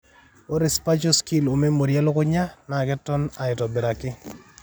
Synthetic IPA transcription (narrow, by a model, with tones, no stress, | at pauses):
o˦ɾɪ˨spa˦t͡ʃo˦ski˦lo˨me˦mo˨ɾjɛ˦lʊ˦kʊ˦ɲa˦na˨kɛ˦tɔ˦na˨ɪ˨tɔ˨bɪ˨ɾa˨kɪ˦